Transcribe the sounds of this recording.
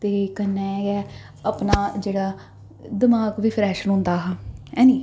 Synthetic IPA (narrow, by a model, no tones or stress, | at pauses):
t̪eːkənːɛ̃ːjɛː | əpnaːd͡ʒeːɽaː | d̪ɪmaːɡʋiːpʰɾɛːʃnɦʊ̃ːnd̪aːɦaɛ̃ːniː